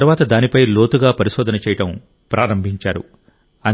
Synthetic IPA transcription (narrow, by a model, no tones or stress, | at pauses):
ɐɾuʋaːt̪ɐd̪aːnipɐjloːt̪uɡaːpɐɾiʃɔːd̪ɐnɐt͡ʃɛːjɐʈɐm | pɾaːɾɐmbʱiɲt͡ʃaːɾṵ | ɐ